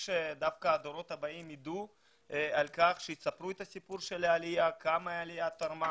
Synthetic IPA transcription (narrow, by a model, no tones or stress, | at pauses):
ʃed̪afkaːd̪oɾo̞t̪habaimid̪u | alkaχʃejit͡sapɾuet̪asipuɾʃelealiakamaalijat̪aɾma